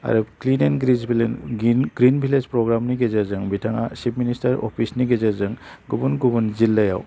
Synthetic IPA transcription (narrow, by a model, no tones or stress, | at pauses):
a̰ɾeklinenɡɾizbilnɡɾinbʱilezpɾɔɡɾamniɡezeɾzɯŋbitʰaŋasipʰministaɾɔ̰pʰisniɡezeɾzɯŋɡubunɡubunzilːaja̰w